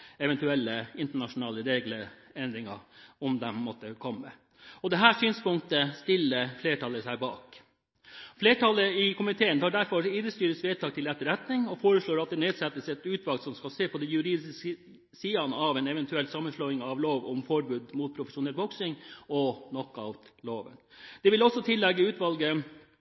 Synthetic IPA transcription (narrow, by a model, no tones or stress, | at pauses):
ɛʋɛnt̪ʉɛlːəɪnt̪əɳɑʂʊnɑːləɾeːɡləɛnd̪ɾɪŋɑ̰ɔmd̪ɛmːɔt̪ːəkʰɔmːə̰ | ɔd̪ɛɦæːʂyːnspʊŋkt̪əst̪ɪlːəfleːʈʰɑləsæɪbɑ̰ːk | fleːʈʰɑlːəɪkʊmɪt̪ʰeːənt̪ʰɑːɖæɾfɔɾid̪ɾəst̪yːɾəsʋeːt̪ʰɑːk̚t̪ʰɪlɛt̪ːəɾɛt̪nɪŋɔfoːɾəsɭoːɾɑt̪̚d̪ɛneːd̪sɛt̪ːəsɛt̪ʉːt̪ʋɑlɡsɔmskɑlseːpʰɔd̪ɛnjʉɾiːd̪ɪs | siːɑnəɑʋɛnɛʋɛnt̪ʉɛlt̪sɑmːənsɭɔʏɪŋɑʋloːʋɔmfɔɾbʉːd̪muːt̪̚pʰɾʊfəʂʊnɛlbɔksɪŋɔnɔkːɑ̰ʋloːʋə̰nd̪̥ɛʋɪlɔsːɔt̪ʰɪlːɛɡːəʉːt̪ʋɑlɡə